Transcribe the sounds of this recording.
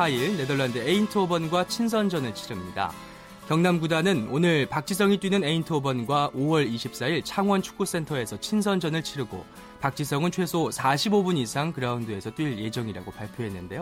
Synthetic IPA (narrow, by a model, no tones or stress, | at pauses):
saiɭne̞dʌɭːandɯeintʰobʌnɡwat͡ɕʰins̬ʰʌnd͡ʑʌnɯɭt͡ɕʰiɾɯmɲida̰ | kjʌŋnamɡudanɯnonɯɭpak̚t͡ɕ͈ʰisʰʌŋit͈winɯne̞intʰobʌnɡwaʔowʌɾiɕʰip̚s͈aiɭt͡ɕʰaŋwʌnt͡ɕʰu̥k̚k͈us͈e̞ntʰʌe̞sʰʌt͡ɕʰinsʰʌnd͡ʑʌnɯɭt͡ɕʰiɾɯɡo̰ | pak̚t͡ɕ͈ʰisʰʌŋɯnt͡ɕʰwe̞sʰosʰaɕʰibobuɲisʰaŋkɯɾaundɯe̞sʰʌt͈wiɭje̞d͡ʑʌŋiɾa̰ɡopaɭpʰjoɦe̞nːɯnde̞jo